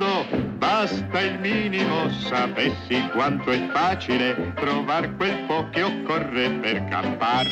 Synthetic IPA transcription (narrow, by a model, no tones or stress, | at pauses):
d̪obast̪ailmiːnimosapesːikwant̪oɛfːaːt͡ʃilet̪ɾovarkwelpɔk̟ːeɔkːɔrːeperka̰mpar